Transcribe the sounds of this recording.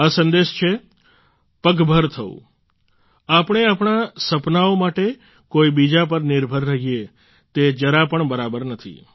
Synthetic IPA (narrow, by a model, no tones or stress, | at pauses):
asə̃nd̪eʃt͡ʃʰe | pəɡbʱəɾt̪ʰəṵ̃ | apɳ̃eapɳ̃asəpnaomaʈe | koibid͡ʒapəɾnɪɾbʱəɾːəɦie | t̪ed͡ʒəɾapəɳbəɾabəɾnət̪ʰḭ